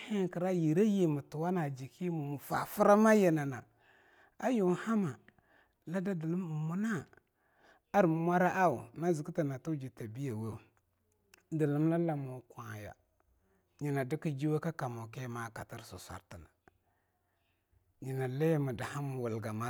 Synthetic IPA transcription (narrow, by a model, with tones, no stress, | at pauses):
he˦ki˨ɾa˦ji˨ɾa˦je˨mu˨tu˨wa˦na˨d͡ʒi˨ki˦mu˨mu˨fa˨fu˦ɾa˦ma˦je˨na˨na˨ | a˦ju˨ha˦ma˨ | la˦da˦di˨lu˦m˨mu˦na˦ | a˦ɾm˦mʷa˦ɾa˦ʔa˦u˨na˦zi˨ki˦ta˨na˨tu˦d͡ʒi˨ta˨bi˦ja˨we˦u˨ | di˨lu˦mla˦la˦mo˨kʷa˨ja̰˨ | ɲi˨na˨di˦ki˦d͡ʒi˦we˦ka˦ka˨mo˨ke˦ma˦˨ka̰˨ti˦ɾsṵ˨sʷa̰˨ɾti˨na˨ | ɲi˨na˨la˦ja˦mu˨da˨ha˦mu˨wu˨lɡa˨ma˦